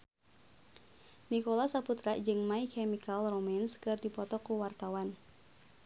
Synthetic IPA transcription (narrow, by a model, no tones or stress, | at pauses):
nikɔlasaput̪ɾad͡ʒɨŋmaikɛmikalromɛnskɨrdipɔt̪ɔkuwart̪awan